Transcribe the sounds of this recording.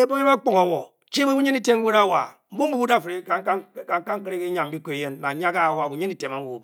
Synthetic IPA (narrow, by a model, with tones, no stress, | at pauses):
e˦bo˦e˦ma˦k͡po˨ŋa˨wo˨ | t͡ʃe˦bu˦ɲe˦ni˦te˦m˦we˦ɾa˦wa̰˨m̩˦bu˦m̩˦bu˦bu˦da˦˨fe˦a˦kka˦ŋ˦a˦ŋ̩˦kɾe˦ke˦ɲa˨m̩˦bi˦ko˨e˨je˦nma˨ɲ˦a˦ka˦˨wa˨bu˨ɲe˦ni˦˨te˨ma˨˦u˨bu˨b